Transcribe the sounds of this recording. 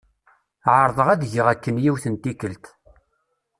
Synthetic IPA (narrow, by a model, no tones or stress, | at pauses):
ʕəɾˤðˤəʁæðʝəʁækːənjiwθənt̪ikəlt̪